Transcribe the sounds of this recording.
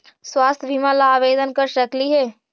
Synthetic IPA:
swaːst̪ʰbʱimãlaːʋeːd̪ənkəɾʃəkliɦɛː

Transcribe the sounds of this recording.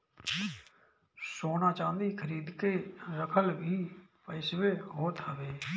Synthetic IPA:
soːnãːt͡ʃãːnd̪iːkʰəɾiːd̪keːɾəkʰəlbʱiːpəɪsʋeːɦoːt̪ɦəʋeː

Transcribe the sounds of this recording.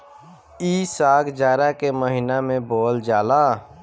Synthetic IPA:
iːsaːɡd͡ʒaːɾakeməɦɪnamẽboːld͡ʒaːlaː

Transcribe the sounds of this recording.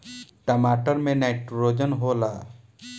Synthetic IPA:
ʈəmaːʈəɾmẽnaɪʈɾoːd͡ʒənɦoːlaː

